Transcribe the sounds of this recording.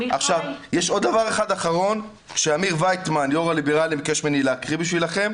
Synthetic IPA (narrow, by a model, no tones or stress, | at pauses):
aχʃavjeʃo̞d̪d̪avaʁeχad̪aχaʁo̞n | kʃeamiʁvajt̪manjoʁalibeʁalimkeʃmenileakʁibiʃvilaχe̞m